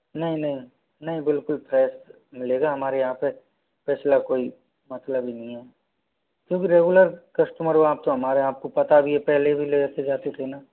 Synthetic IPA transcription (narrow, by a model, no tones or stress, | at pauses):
nɐɦĩnɐɦĩ | nɐɦĩbɪlkʊlpɾɛːs | mɪleːɡaɦɐmaːɾeaːpe | pɛːt͡ʃʰlakoːi | mɐt̪ləbʱinɐɦĩɦɛː | kjõːk̬iɾeːɡʊləɾkɐsʈəməɾoaːp̚t̪oɦɐmaːɾeaːp̚kopɐt̪abʱiepɛɦlebʱileːt̪ed͡ʒaːt̪et̪ʰenaː